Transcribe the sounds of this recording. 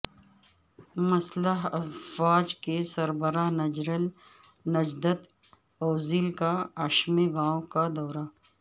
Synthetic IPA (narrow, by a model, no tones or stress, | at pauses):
mɐsləɦɐwaːd͡ʒkesɐɾbəɾaːɦnɐd͡ʒɾəl | nɐd͡ʒd̪ət̪ | ɔːzilkaɐʃmeɡãːõkad̪ɔːɾa